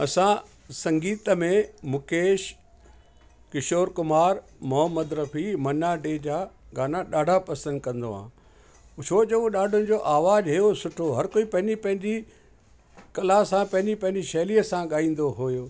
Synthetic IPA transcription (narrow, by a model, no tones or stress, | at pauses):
ɐsã | sɐ̃ŋɡiːt̪əmẽmʊkeːʃ | kɪʃoːɾkʊmaːɾ | mʊɦəmːəd̪ɾɐfʰimɐnaɖed͡ʑaːɡaːnaɗaːɖʱapɐsə̃nd̪̚kɐ̃nd̪oɦã̰ː | t͡ɕʰoːd͡ʑoɗaːɖʱʊnɪ̆d͡ʑoːʔaːʋaːd͡ʑɦejosʊʈʰoɦɐɾkoːipɐ̃ɦɪ̃ɲd͡ʑipɐ̃ɦɪ̃ɲd͡ʑi | kɐlasãpɐ̃ɦɪ̃ɲd͡ʑipɐ̃ɦɪ̃ɲd͡ʑiʃɐːliəsãɠaːĩːn̆d̪oɦojoː